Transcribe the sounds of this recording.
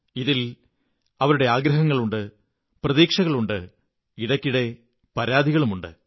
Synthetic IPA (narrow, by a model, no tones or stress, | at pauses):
iðil | ɐʋɐɾuɽe̞aːɡɾɐɦɐŋːɐɭuɳɖɨ | prɐðiːkʂɐɣɐɭuɳɖɨ | iɽɐkʲːiɽe̞ | pɐɾaːd̪ʱiɣɐɭumuɳɖɨ̰